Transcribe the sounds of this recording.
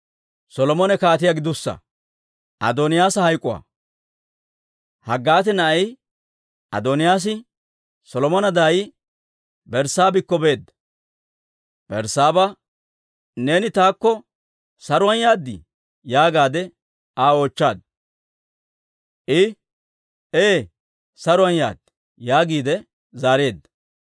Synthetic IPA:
sɔlɔmɔnɛkaːt̪ɪjaɡɪd̪ʊsːɐ̰ | ʔɐ̰d̪ɔnɪjaːsɐhɐjkʼʊwa̰ː | hɐɡːaːt̪ɛnɐʔɐj | ʔɐ̰d̪ɔnɪjaːs̬ɪ | sɔlɔmɔnɐd̪aːjɪ | bɛɾsaːbɪkːɔbe̞ːd̪ːɐ̥ | b̥ɛɾsaːbɐ | ne̞ːnɪt̪aːkːɔ | sɐɾʊɐnjaːd̪ːɪ̰ | jaːɡaːd̪ɛ | aːoːt͡ʃːaːd̪̚ | ʔɪ | eː | sɐɾʊwɐnja̰ːd̪ɪ | jaːɡiːd̪ɛ | zaːɾe̞ːd̪ːɐ̥

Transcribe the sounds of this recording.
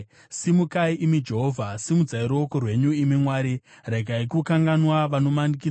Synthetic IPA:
simukaiʔimid͡ʒe̞ɦoːvʱasimud͡zaiɾokorwe̞ɲuimimwaːɾi | reɡʱaikukaŋɡanwaʋano̞manik̬i

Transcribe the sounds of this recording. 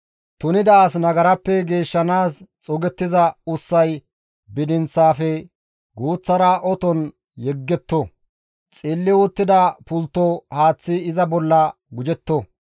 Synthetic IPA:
t̪ʊnɪd̪aːsnɐɡɐɾɐpːɛɡe̞ːʃːɐnaːst͡sʼɔɡɛt̪ːɪzɐʊsːɐj | bɪd̪ɪnt͡sːaːfɛ | ɡuːt͡sːɐɾɐʔɔt̪ɔn | jɛɡːɛt̪ːɔ | t͡sʼɪːlːɪʊt̪ːɪd̪ɐpʊlt̪ːɔhaːt͡sːɪɪzɐbɔlːɐ | ɡʊd͡ʒɛt̪ːɔ

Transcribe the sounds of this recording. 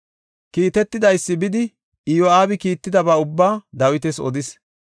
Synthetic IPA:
kiːt̪ɛt̪ːɪd̪ɐjsːɪbɪd̪ɪ | ɪjɔaːbɪkiːt̪ːɪd̪ɐbaːʊbːaːd̪ɐwɪt̪ɛsɔ̰d̪ɪs

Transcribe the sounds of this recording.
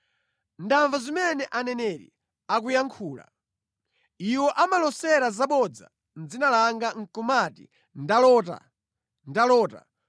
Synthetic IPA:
ndaɱvazimɛnɛʔanɛnɛɾḭ | ak̬ujaŋkʰuːla̰ | iwɔʔamalɔsɛɾazaɓɔd͡za̰ | nd͡zinalaŋɡaŋ̩kumatḭ | ndalɔta̰ | ndalɔːta̰

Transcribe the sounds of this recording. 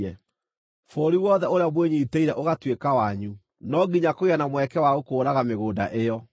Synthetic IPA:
ɛ | foɾiwɔðɛoɾeamweɲiːteiɾɛʔoɣatwekawaɲu | nɔɡiɲakoɣianamwɛkɛwaɣokoːɾaɣameɣoːda̰ʔejɔ

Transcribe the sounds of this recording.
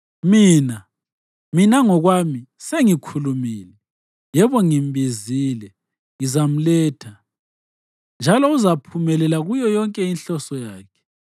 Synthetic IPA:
miːna | minaŋɔɣwamiseŋikʰulumiːlɛ | jɛβɔŋimbizilɛ | ŋizam̩lɛːtʰa | nd͡ʒʱalɔuzapʰumɛlɛlaɣujɔjɔŋkʼɛinɬɔsɔjaːkʰɛ̥

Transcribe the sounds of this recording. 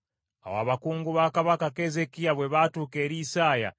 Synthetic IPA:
a̰wa̰ːβakuːŋɡuβaːkaβakake̞ːze̞kijaβwe̞βaːtuːke̞ːɾiːsaːja̰

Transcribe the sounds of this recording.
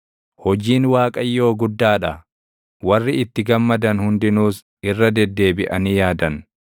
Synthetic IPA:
hɔd͡ʒiːnwaːkʼɐjːo̞ːɡʊd̪ːaːᶑɐ | wɐrːɪɪt̪ːɪɡɐmːɐd̪ɐnhʊnd̪ɪnuːs | ɪrːɐd̪ɛd̪ːe̞ːbɪʔɐnijaːd̪ɐn

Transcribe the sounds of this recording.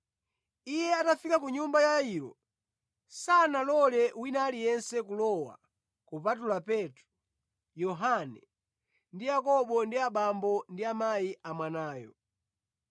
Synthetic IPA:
ijɛatafikakuɲumbajaaiːɾɔ̰ | sanalɔlɛwinalijɛnsɛkulɔwa̰ | kupat̬ulapɛtɾu | jɔɦanɛ | ndijakɔɓɔndiaɓambɔndiamajiʔamwanaːjɔ̰

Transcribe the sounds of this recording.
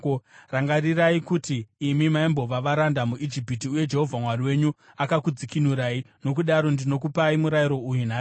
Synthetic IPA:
oraŋɡariraikutiːmimaimbo̞ʋaʋaɾandamuʔid͡ʒipitiuje̞d͡ʒe̞ɦo̞vʱamwariwe̞ɲu | akakud͡zikinuɾai | no̞k̬uɗaɾo̞ndino̞k̬upaimuɾajiɾo̞ujunaː

